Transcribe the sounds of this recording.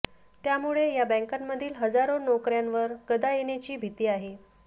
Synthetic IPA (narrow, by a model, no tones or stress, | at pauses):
t̪jamuɭejabə̃ŋkamːəd̪ʱiːlɦəd͡zaɾonokɾjanʋəɾkəd̪ajenjat͡ɕiːbʱit̪iːaɦe